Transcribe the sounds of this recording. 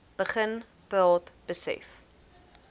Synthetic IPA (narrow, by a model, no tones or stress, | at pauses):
b̥əχən | pɑːtb̥əsɛ̰f